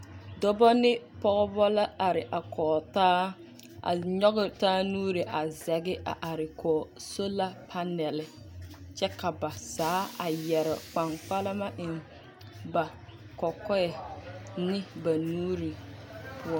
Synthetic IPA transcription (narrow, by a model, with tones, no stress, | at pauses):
dɔ˦bɔ˦nɪ˦pɔ˦ɣɔ˦bɔ˦la˦a˨ɾɪ˨ʔa˨kʰɔː˨taː˦ | ʔa̰˨ɲɔ˦ɣɪ˨taː˦nuː˦ɾi˨ʔa˨zɛ˨ɡɪ˦ʔa̰˨ʔa˨ɾɪ˨kʰɔː˨so˦la˦pʰa˦nɛ˨lɪ˨ | t͡ʃɛ˦ka˨ba˨saː˨˦a˨jɛ˨ɾɪ̰˨k͡pa˨ŋk͡pa˦lɪ˦ma˦ʔɪ˨n | ba˨ | kɔ˨kɔ˦ɛ˨nɪ˦ba˨nuː˦ɾi˨pʰʊ˦ɔ˦